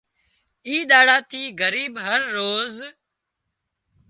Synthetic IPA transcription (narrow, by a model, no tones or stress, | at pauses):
iːɗ̪aːɽaːt̪ʰiːɡəɾiːbɦəɾːoːz